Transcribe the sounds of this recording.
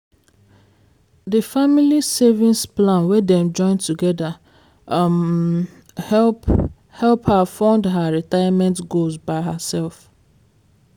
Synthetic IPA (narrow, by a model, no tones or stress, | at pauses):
dəfamilisɛvĩnsplãnwɛdɛ̃md͡ʒɔ̃ɪ̃ntuɡɛda | hɛp | hɛlphafɔ̃ndɦəɹitajamɛ̃ntɡolzbaɪɦəsɛlf